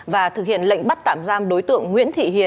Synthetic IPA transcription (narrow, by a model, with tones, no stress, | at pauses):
vaː˨˩t̪ʰɨ˨k̚hḭ˧˨ənlə̰˧˨ŋ̟ɓa˦˥t̚t̪aː˧˩mzaː˧mɗo˨˦jt̪ɨ̰˧˨əŋːwḭ˧˥ənt̪ʰḭ˧˨ɦḭ˨˧˨ə